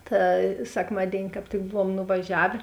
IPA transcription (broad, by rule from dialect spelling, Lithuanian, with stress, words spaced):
tɐ sʲɛkˈmɑːdʲeːɪnʲɪ kɑːp ˈtʲɪk ˈbʊʋuɔm nʊʋɐˈʒʲæːʋʲeː